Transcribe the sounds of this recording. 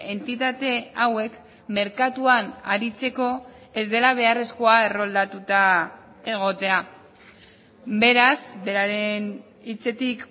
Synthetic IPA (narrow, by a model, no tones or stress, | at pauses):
e̞nt̪it̪at̪e̞awe̞k | me̞ɾkat̪uana̰ɾit͡se̞ko̞ | e̞zd̪e̞laβ̞e̞are̞sko̞ae̞ro̞ld̪at̪ut̪a | e̞ɣ̞o̞t̪e̞a | be̞ɾasbe̞ɾaɾe̞n | it͡se̞t̪ik